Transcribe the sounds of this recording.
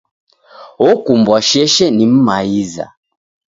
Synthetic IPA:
ɔkumbwaʃɛʃɛnim̩maiza̰

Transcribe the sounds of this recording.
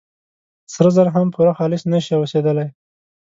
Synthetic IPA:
sɾəzəɾɦampʰuɾaxɑlɪsnəʃiosed̪əlaj

